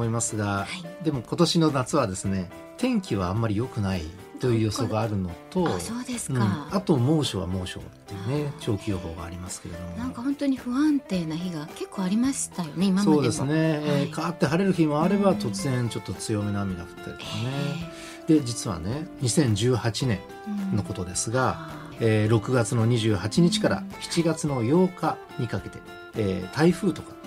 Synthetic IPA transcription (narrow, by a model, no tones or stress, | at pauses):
oimasɨɡaad̪e̞mo̞ko̞t̪o̞ɕino̞nat͡sɨβad̪e̞sɨne̞ | t̪ʰẽ̞ŋkʲiβaamːaɾʲijo̞kɯ̟naḭ | t̪o̞jɯːjo̞so̞ɡɡaːɾɯ̟no̞t̪o̞soːd̪esɨ̥ɯ̃ɴat̪o̞mo̞ːɕo̞̰βa̰mo̞ːɕo̞̰t̪ːe̞jɯne̞t͡ɕo̞ːkʲijo̞ɦo̞̰ːɡa̰ːɾʲimasɨ̥ke̞ɾe̞d̪o̞moãŋkahõ̞nt̪oɲ̟iɸɯ̟ãnt̪e̞ːnaçiɡake̞kːoːaɾʲimaɕt̪ajoneimamso̞ːd̪e̞sɨne̞eːkʰaːt̪ːe̞ɦaɾe̞ɾɯ̟çĩmaːɾe̞bat̪o̞t͡sɨzẽ̞ɲt͡ɕo̞t̪ːo̞t͡sɨjo̞mʲinamʲinakɯ̥t̪ːekeone | d̪̥e̞d͡ʑit͡sɨβa̰ne̞ɲ̟isẽ̞ɲ̟d͡ʑɨːhat͡ɕinẽ̞̰n | no̞ko̞t̪o̞d̪e̞sɨɡa | eːɾo̞kɯ̟ɡat͡sɨno̞ɲ̟iʑɨːhat͡ɕiɲ̟it͡ɕi̥kaɾa̰çi̥t͡ɕiɡat͡sɨno̞jo̞ːka | ɲ̟ikake̞t̪e̞ː | t̪ʰaiɸɯ̟ːt̪o̞kḁ